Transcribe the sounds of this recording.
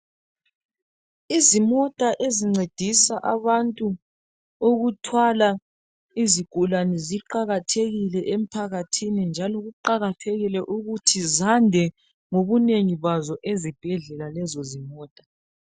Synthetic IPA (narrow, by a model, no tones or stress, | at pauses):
izimɔtʼaʔeziŋ͡ǀed̥ʱisaʔaβantʼu | oɣutʰwala | iziɡ̥ʱulanɛziǃaɣatʰeɣilɛʔem̩pʰaɣatʰinind͡ʒʱalɔɣuǃaɣatʰeɣilɛʔuɣutʰizandʱɛ | ŋoβuneŋiβazɔʔezib̥ʱɛɮɛlalɛzɔzimɔːtʼḁ